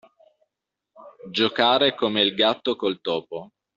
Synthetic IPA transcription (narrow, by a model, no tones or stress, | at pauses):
d͡ʒokaːɾekomeilɡat̪ːokolt̪ɔːpo